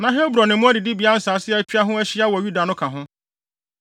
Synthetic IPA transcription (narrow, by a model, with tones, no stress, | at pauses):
nã˨ɦɛ˦bɾɔ˨nɪ̃˨mʊ̃˦æ˦di˨dɪ˦bi˨a˦n̩˨˦sa˨˦sɪ˦ɛ˦pʰi˦a˦ɦʊ̃˦æ˦ɕɪ˦a˦wɔ˨ju˦da˨nʊ̃˦kʰã˨ɦʊ̃˦